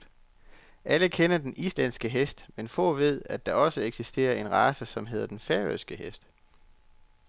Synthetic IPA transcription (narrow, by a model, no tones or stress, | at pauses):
ʔæləkʰenɐd̥enʔislæn̰sɡ̥əɦesd̥menfɔ̰̽ːʋe̝ð̞̰ˠæd̥ɑ̈ʔɒ̽səeɡ̥sisd̥e̝̰ːɐʔe̝nʁɑ̈ːsəsɒ̽mɦe̝ðˠɐd̥enfæɐøsɡ̥əɦesd̥